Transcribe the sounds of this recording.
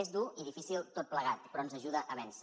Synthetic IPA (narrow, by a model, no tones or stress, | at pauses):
ezd̪uiðifisilˠt̪ot̪̚pləɣ̞at̪pɾɔnzəʒuðəʔəβɛns